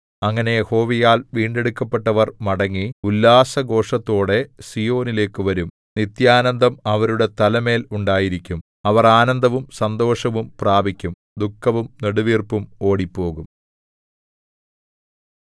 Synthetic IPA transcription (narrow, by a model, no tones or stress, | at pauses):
ɐŋːɐne̞jeho̞ːʋijaːlʋiːɳɖe̞ɽukːɐpːe̞ʈːɐʋɐrmɐɽɐŋːiulːaːsɐɡo̞ːʂɐt̪ːo̞ːɽe̞sijo̞ːnile̞ːkːɨʋɐɾum | nit̪jaːnɐnd̪ɐmɐʋɐɾuɽe̞t̪ɐlɐme̞ːluɳɖaːjiɾikʲːum | ɐʋɐraːnɐnd̪ʱɐʋumsɐnd̪o̞ːʂɐʋumpraːbʱikʲːum | d̪ukːɐʋumneɽuʋiːrpumo̞ːɽipːo̞ːɣum